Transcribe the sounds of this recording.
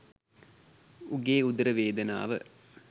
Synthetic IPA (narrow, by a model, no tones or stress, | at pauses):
uɡeːud̪əɾəʋeːd̪əna̰ːʋə̰